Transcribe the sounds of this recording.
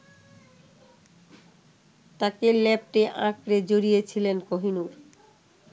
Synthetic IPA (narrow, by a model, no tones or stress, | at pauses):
t̪akelɛp̚ʈeʔãkɾed͡ʑoɾijet͡ɕʰilenkoɦinuɾ